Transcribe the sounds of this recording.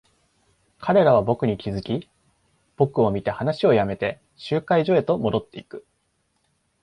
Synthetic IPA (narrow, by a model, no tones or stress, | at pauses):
kʰaɾe̞ɾaβ̞abo̞kɯ̟ɲ̟ikʲizɨkʲi | b̥o̞kɯ̟o̞mʲit̪e̞hanaɕio̞jame̞t̪e̞ | ɕɨːkaiʑo̞e̞t̪o̞mo̞d̪o̞t̪ːe̞ikɯ̟̥